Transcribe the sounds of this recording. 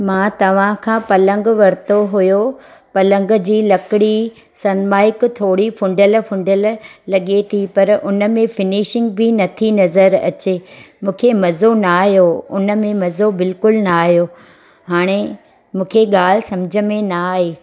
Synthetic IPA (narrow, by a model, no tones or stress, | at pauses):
mãːt̪ɐʋ̤ãkʰãːpɐlə̃ŋɡʋɐɾt̪oɦʊjopɐlə̃ŋɡd͡ʑiːlɐkɪɽi | sɐnmaːɪkt̪ʰoːɽipʰʊ̃ɳɖəlpʰʊ̃ɳɖəllɐɠet̪ʰipɐɾʊnə̆mẽfɪniʃɪ̃ŋɡbʱɪnɐt̪ʰinɐzəɾɐ̰t͡ɕeːmũːkʰemɐzonaːɦijoʊnə̆mẽmɐzobɪlkʊlnaːɦijo | ɦaːɽ̃e | mũːkʰeɠaːl̤ɪsɐ̃md͡ʑʱə̆mẽnaːɦeː